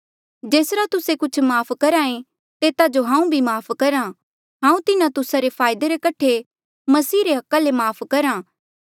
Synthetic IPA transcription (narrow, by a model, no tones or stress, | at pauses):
d͡ʒeːsɾat̪ʊsekʊt͡ʃʰmaːpʰkɐɾaːẽ | t̪eːt̪ad͡ʒoɦãːũbʱimaːpʰkɐɾa | ɦãːũt̪ɪnãt̪ʊsaɾepʰaːɪd̪eɾekɐʈʰe | mɐsiːɾeɦɐkːalemaːpʰkɐɾã